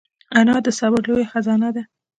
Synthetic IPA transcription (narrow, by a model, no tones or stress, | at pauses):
anɑd̪əsɑbəɾlojexazɑnad̪a